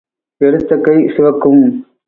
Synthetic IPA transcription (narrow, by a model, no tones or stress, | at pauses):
pɛɾɯt̪ːɐkːɐɪsɪʋɐkːɯm